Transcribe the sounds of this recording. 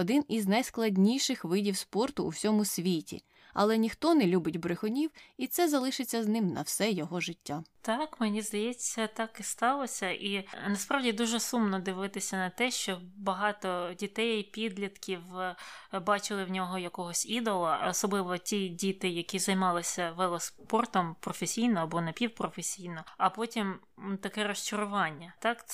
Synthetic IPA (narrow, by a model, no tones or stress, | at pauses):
ɔd̪ɪniznɐjsklˠɐdʲnʲijʃɪxʋɪdʲiwspɔrt̪ʊ̰ːwsʲɔmʊsʲʋʲitʲḭ | ɐ̰lˠɛnʲixt̪ɔnɛlʲubɪtʲbɾɪxɔnʲiwit̪sɛzɐlˠɪʃɪt͡sʲːɐznɪmnɐ̰wsɛjɔɦɔʒɪtʲːat̪ɑkmɪnʲizd̪ɐjɛt͡sʲːɐt̪ɑkist̪ɑlˠɔsʲɐʔinɐspɾɑwdʲid̪uʒɛsumnɔd̪ɪʋɪt̪ɪsʲɐnɐt̪ɛʃt͡ʃɔbɐɦɑt̪ɔdʲit̪ɛjpʲid̪ʲlʲɐt̪kʲiw | bɑt͡ʃɪlˠɪwnʲɔɦɔjɐkɔɦɔsʲid̪ɔlˠɐɔsɔblˠɪʋɔtʲidʲit̪ɪjɐkʲizɐjmɑlˠɪsʲɐʋɛlˠɔspɔrt̪ɔmpɾɔfesʲijnɔɐbɔnɐpʲiwpɾɔfesʲijnɔɐpɔtʲim | t̪ɐkɛɾɔʃt͡ʃʊɾʊʋɑnʲːɐt̪ɑk